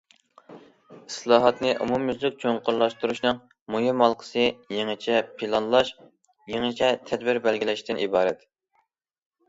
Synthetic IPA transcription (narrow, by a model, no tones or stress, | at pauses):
islˠɑːɦɑt̪nɨʔṵmumyzlɪk̚ʲt͡ʃʰoɴqʰʊɾlˠɑʃt̪uɾuʃnɨŋ | mojimɑlˠqʰə̥sɨjeŋɨt͡ʃʰɛpʰilˠɑnlˠɑʃ | jeŋɨt͡ʃʰɛt̪ʰɛd̪bɪɾbɛlɡʲilɛʃt̪ɪnʔibɑːɾɛt̪